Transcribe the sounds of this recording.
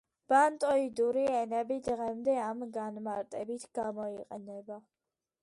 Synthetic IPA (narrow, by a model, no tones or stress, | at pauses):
b̥ant̪ʼɔid̪uɾiɛnɛbid̪ʁɛmd̪ɛamɡanmaɾt̪ʼɛbit̪ʰɡ̥amɔiqʼɛnɛba